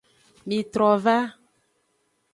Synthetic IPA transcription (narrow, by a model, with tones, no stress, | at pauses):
mĩ˨t̪ɾɔ˨va˦